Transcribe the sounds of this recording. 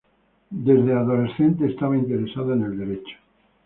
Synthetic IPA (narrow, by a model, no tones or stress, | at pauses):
d̪e̞zðeaðolesθe̞nt̪̬eːst̪aβaint̪eɾesaðoene̞ld̪e̞ɾet͡ʃo̥